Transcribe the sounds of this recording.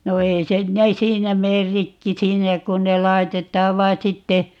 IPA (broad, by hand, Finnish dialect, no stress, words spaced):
no ei sen ne siːnæ meːr rikːi siːnæ kun ne lɑi̯tetˑɑːʋ ʋɑi̯ sitːe